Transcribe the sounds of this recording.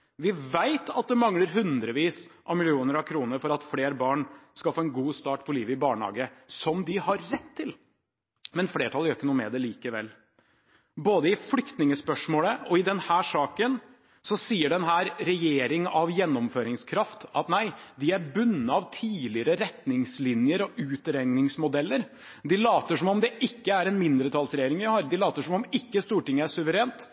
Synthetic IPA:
ʋɪʋæɪt̪ʰɑt̪̚d̪ɛmɑŋləɾɦʉnd̪ɾəʋiːsʔɑʋmɪlɪuːnəɾɑʋkʰɾuːnəɾfɔɾɑt̪fleːɾbɑːɳskɑlfoːɛnɡuːst̪ɑːʈpʰɔliːʋəɪbɑːɳhɑ̰ːɡəsɔmd̪ɪhɑɾːɛt̪ʰːɪl | mɛnfleːʈʰɑlæɾjœɾɪkːənuːmɛ̰d̪ɛliːkəʋɛ̰lː | boːd̪əɪflʏkt̪nɪŋəspœʂmoːləɔɪd̪ɛnhæːʂɑːkən | sɔsiːəɖɛnɦæːɾɾɛjeːɾɪŋɑʋjɛnːɔmføːɾɪŋskʰɾɑft̪ɑt̪næɪd̪ɪæɾbʉnːəɑʋt̪ʰiːlɪəɾəɾɛt̪nɪŋslɪnjəɾɔʉːt̪ɾɛŋnɪŋsmʊd̪ɛlːəɾ | d̪ɪlɑːt̪əʂɔmɔmd̪ɛʔɪkːəæɾɛnmɪnd̪ɾət̪ʰɑːlsɾɛjeːɾɪŋʋɪhɑːɾd̪ɪlɑːt̪əʂɔmɔmɪkːəst̪uːʈɪŋːəæʂʉʋəɾeːnt̪

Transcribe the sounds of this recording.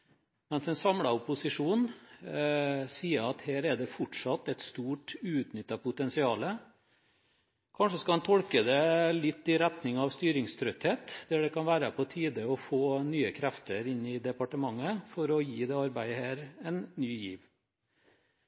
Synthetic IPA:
mɛnsɛnsɑmɽɑʊpʊsɪʂuːn | siːəɑt̪heːɾɛɖɛfɔʈʂɑt̪ːɛt̪st̪uːʈʉːt̪nʏt̪ːɑpʊt̪ɛnsɪɑːlə | kʰɑnʂəskɑɑnt̪ʰɔlkəd̪ɛlɪt̪ːɪɾɛt̪nɪŋɑʋst̪yːɾɪŋst̪ʰɾœt̪heːt̪d̪ɛɖɛkɑnʋæːɾəpʰɔt̪ʰiːd̪əɔfoːnyːəkʰɾæft̪əɾɪnːɪd̪ɛpɑʈəmɑŋːəfɔɾɔjiːd̪ɛːɑɾbæɪəheːɾɛnnyːjiːʋ

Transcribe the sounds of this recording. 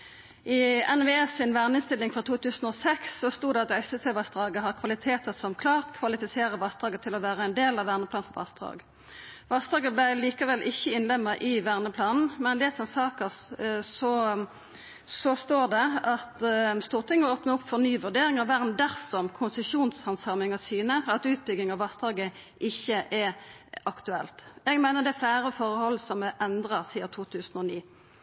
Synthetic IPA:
ʔɪɛnʋeɛsɪnʋæʁnəɪnst̪ɪlːɪŋfɾɑt̪ʰuːt̪ʰʉːsnɔːsɛksːɔst̪uːd̪ɛɑt̪œʏsəsʰɛʋɑsd̪ʁɑːɡəɦɑʁkʰʋɑlɪt̪ʰeːt̪əsɔmkʰlɑːʁt̪kʰʋɑlɪfɪseːɾəʋɑsd̪ʁɑːɡət̪ʰɪlɔʋæːɾəɛnd̪eːlɑʋʋæːnəpʰlɑːnfɔʋɑ̰sd̪ʁɑ̰ːɡ | ʋɑsd̪ɑːɡəblæliːkɑʋɛlʔɪçːəɪnlɛmːəʔɪʋæːʁnəpʰlɑːnn̩mɛnd̪ɛːsɔnsɑːkəsɔ | sɔst̪oːd̪ɛɑt̪st̪uːʁt̪ʰɪŋːəoːpnəʊpfɔʁnyːʋʉɖ̪eːɾɪŋɑʋʋæʁnd̪æʁsɔmkʰʊnsəʃuːnshɑnsɑːmɪŋɑsyːnəɑt̪ʉːt̪̚bʏɡ̪ɪŋɑʋɑst̪ʁɑːɡə | ʔɪçːəʔɛɑkt̪ʉɛlt̪jɛɡmæɪnəd̪ɛæflæːɾəfɔʁəhɔlːsɔmʔɛnd̪ʁɑsiːɑt̪ʰuːt̪ʰʉːsən̩ɔniː

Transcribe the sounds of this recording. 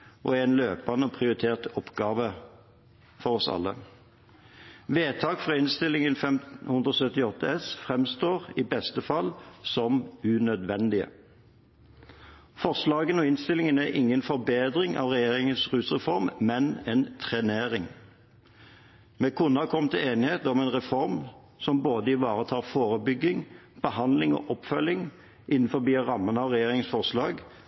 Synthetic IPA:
ʔɔ̰ɛnløːpɑnəɔpʰʁɪʊʁɪt̪ʰeːʁt̪ɔpɡɑːʋə | fɔʁɔsɑ̰lːə | ʋeːt̪ʰɑːkfʁɑːɪnst̪ɪlɪŋənfɛmt̪hʉnd̪ʁəɔːsœt̪ɪɔt̪ːəɛsfʁɛmst̪oːʁiːbɛst̪əfɑlsɔmʉnœd̪ʋɛnd̪ɪə̰ | fɔʁslɑːɡənɔːɪnst̪ɪlɪŋənæʔɪŋːənfɔɾbeːd̪ʁɪŋɑ̰ʋʁɛjeːʁɪŋənsʁʉːsʁɛfɔɾmmɛnɛnt̪ʰʁɛneːɾɪŋ | mɛkʰʊnɑɑkʰɔmːt̪ʰɪeːnɪheːt̪əɔmɛːnʁɛfɔɾm | sɔmboːd̪əɪʋɑːʁət̪ʰɑːʁfoːʁəbʏɡːɪŋb̥əhɑnlɪŋo̰ːʔɔpfœlːɪŋ | ʔɪnːn̩fɔbiːʁɑmːənəɑʋʁɛjeːɾʁɪŋən̩sfɔʁslɑːɡ

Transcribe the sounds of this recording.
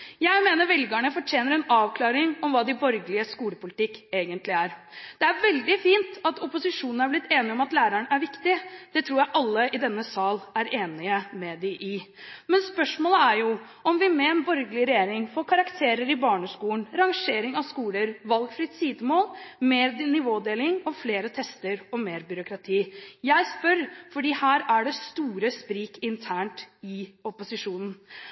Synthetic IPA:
jæɪmeːnəɾʋɛlɡəɳəfɔʈʰjeːnəɾɛnɑːʋkʰlɑːɾɪŋɔmʋɑːd̪ɪbɔɾɡəlɪəskuːləpʊlɪt̪ɪkːeːɡənt̪lɪæɾd̪̥ɛæɾʋɛld̪ɪfiːnt̪ɑt̪ɔpʊsɪʂuːnn̩æɾblɪt̪ːeːnɪɔmɑt̪læːɾəɳæɾʋɪkt̪ɪd̪̥ɛt̪ʰɾuːɾjæɪʔɑlːəʔɪd̪ɛnːəsɑːlæɾeːnɪəmɛd̪ɪʔɪmɛnspœʂmoːləæɾjʊ | ɔmʋɪmɛɛnbɔɾɡəlɪɾɛjeːɾɪŋfoːɾkʰɑɾɑkt̪ʰeːɾəɾɪbɑːɳəskuːn̩ɾɑŋʂeːɾɪŋɑʋskuːləɾʋɑlɡfɾɪt̪siːd̪əmoːlmeːɾnɪʋoːd̪eːlɪŋɔfleːɾət̪ʰɛst̪əɾɔmeːɾbʏɾʊkɾɑt̪ʰiːjæɪspœɾfɔɖiːhæːɾæɖɛst̪uːɾəspɾiːkɪnt̪ʰæːɳʈɪɔpʊsɪʂuːnn̩

